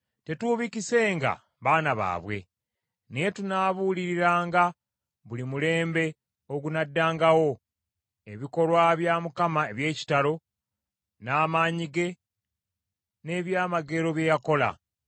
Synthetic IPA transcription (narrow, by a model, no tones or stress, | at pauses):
te̞tuːβicise̞ːŋɡa̰ | βaːnaβa̰ːβwe̞̰ | nejetunaβuliɾiɾaːŋɡa | βulimule̞ːmbe̞ | o̞ɡunadːaːŋɡawo̞ | e̞βiko̞lwaβjaːmukamaeβje̞ːci̥talo̞ | naːmaːɲiɡe̞ | ne̞ːβjaːmaɡe̞ɾo̞βje̞jako̞la̰